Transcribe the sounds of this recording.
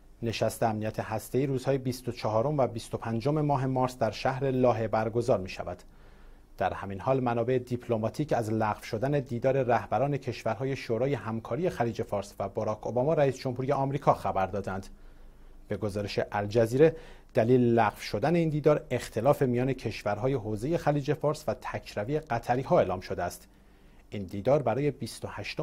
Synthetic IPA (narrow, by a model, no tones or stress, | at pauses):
ne̞ʃæst̪eæmnijæt̪ʰe̞hæst̪e̞iːɾuːz̥hɒːjebist̪o̞t͡ʃʰɒɦɒːɾo̞mvæbist̪o̞pʰænd͡ʒo̞me̞mɒːɦe̞mɒːɾsd̪æɾʃæhɾe̞lɒːɦe̞bæɾɡo̞zɒːɾmiːʃæ̰væd̪̥ | d̪̥æɾhæminhɒːlmænɒːbe̞ʔed̪ipʰlomɒːt̪ʰiːcæzlæɣfʃo̞d̪æne̞d̪iːd̪ɒːɾe̞ɾæhbæɾɒːne̞cʰeʃvæɾɦɒːje̞ʃoːɾɒːje̞ɦæmkʰɒːɾije̞xæliːd͡ʒe̞fɒːɾsvæbɒɾɒːkʰo̞bɒmɒːɾæiːsd͡ʒo̞mhuːɾije̞ɒːmɾiːkʰɒːxæbæɾd̪ɒːd̪ænd̪̥ | b̥e̞ɡo̞zɒːɾe̞ʃe̞ʔæld͡ʒæziːɾed̪̥æliːlelæɣfʃo̞d̪æne̞iːnd̪iːd̪ɒːɾe̞xt̪ʰe̞lɒːfe̞mijɒːne̞cʰeʃvæɾɦɒːjeɦoːze̞je̞xæliːd͡ʒe̞fɒːɾsvæt̪ʰæcʰɾævieɢæt̪ʰæɾiːɦɒːe̞ːlɒːmʃo̞d̪eæst̪ | ʔiːnd̪iːd̪ɒːɾbæɾɒːje̞bist̪ohæʃt̪o